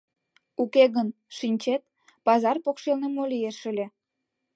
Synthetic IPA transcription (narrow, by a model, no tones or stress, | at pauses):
ukeɣən | ʃinʲt͡ɕet̪̚ | pɑzɑrpokʃelnemolʲijeʃəlʲĕ